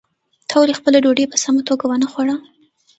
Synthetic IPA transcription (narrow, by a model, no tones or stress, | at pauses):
t̪ʰawlexpəleɖoɖepəsamat̪oɡawənəxwaɽa